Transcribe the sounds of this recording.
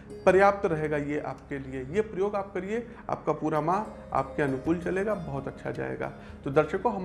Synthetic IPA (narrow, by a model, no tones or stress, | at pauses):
pɐɾjaːp̚t̪ɾɐɦeːɡajeʔa̰ːp̚keliejepɾɐjoːɡaːp̚kɐɾie | a̰ːp̚kapuːɾamã | a̰ːpkeɐnʊkuːlt͡ʃɐleːɡabɐɦʊt̪ɐtːʃʰa̰d͡ʒa̰ːḛːɡa̰ːt̪od̪ɐɾʃəkːoɦɐm